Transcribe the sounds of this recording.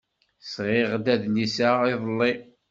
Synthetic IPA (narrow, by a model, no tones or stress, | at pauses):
sʁɪʁd̪æðnisaɪðˤəlːi